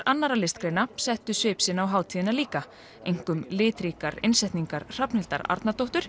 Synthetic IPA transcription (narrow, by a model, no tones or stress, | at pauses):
ɾanːaɾalɪst̪kɾeːjnasɛht̪ʏsɪːpsɪnawɦaːwt̪ʰiːðɪnaliːka | ejŋ̥kʏmlɪːt̪ɾiːkaɾḛnsɛht̪niŋkaɾ̥r̥apnɪl̥t̪aɾa̰ɾt̪nat̪owht̪ʏɾ̥